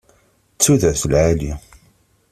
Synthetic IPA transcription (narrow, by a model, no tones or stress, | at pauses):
t͡sːuðæðθəlʕali